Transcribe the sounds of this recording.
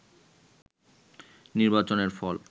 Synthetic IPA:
niɾbat͡ɕoneɾfɔl

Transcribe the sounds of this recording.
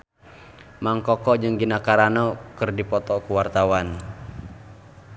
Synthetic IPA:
maŋkɔkɔʔd͡ʒɨŋɡinakaɾanɔkɨrdipɔt̪ɔkuwart̪awan

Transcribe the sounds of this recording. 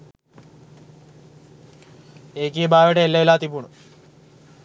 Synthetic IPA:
eːkijəbaːʋeʈəelːɐelaːt̪ipuɳu

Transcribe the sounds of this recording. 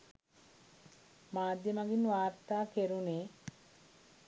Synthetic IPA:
maːd̪jəmaɡinʋaːɾt̪aːkeɾuneː

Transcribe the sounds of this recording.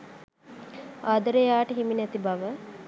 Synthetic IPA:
aːd̪əɾəjaːʈəɦiminɛt̪ibaʋə

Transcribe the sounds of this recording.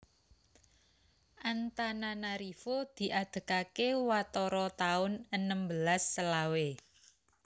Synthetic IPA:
ʔant̪ananaɾifod̪̥i̤ʔad̪̥ə̤kakewat̪ɔɾɔt̪aʊnənəmbəlasːəlawe

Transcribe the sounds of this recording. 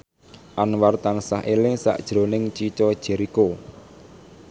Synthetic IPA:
ʔanwart̪aŋsaɦelɪsa̰ʔd̥ʒ̥ɾo̤nɪŋt͡ʃit͡ʃɔd̥ʒ̥ɛ̤ɾiko

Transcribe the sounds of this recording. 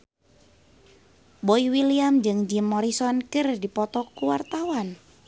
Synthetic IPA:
boiwiliamd͡ʒɨŋd͡ʒimːɔɾisɔnkɨrdipɔt̪ɔkːuwart̪awan

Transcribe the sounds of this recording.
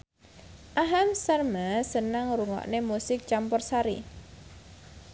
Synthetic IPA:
ʔaɦamsarmasənaŋruŋɔ̰ʔnemusɪk̚t͡ʃampɔrsaɾḭ

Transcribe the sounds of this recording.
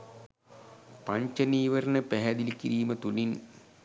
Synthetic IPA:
pɐɲt͡ʃɐniːʋɐɾɐnəpɛɦɛd̪ilikiɾiːmət̪ulin

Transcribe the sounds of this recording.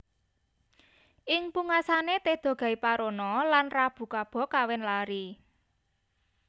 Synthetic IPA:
ʔɪŋpuŋasanet̪ed̪̥ɔ̤ɡ̥a̤ipaɾonɔlanrab̥ṳkab̥ɔ̤kawɛnlaɾi

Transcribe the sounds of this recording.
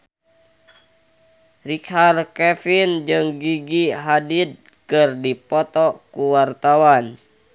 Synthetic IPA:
rikharkɛfind͡ʒɨŋɡiɡiɦadid̪̚ | kɨrdipɔt̪ɔkuwart̪awan

